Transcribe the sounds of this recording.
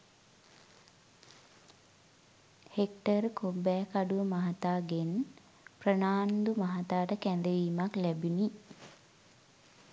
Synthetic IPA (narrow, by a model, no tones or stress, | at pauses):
hekʈəɾkobɛːkaɖuʋəmaɦat̪aːɡen | prənaːnd̪umaɦat̪aːʈəkænd̪əʋiːmaklæbini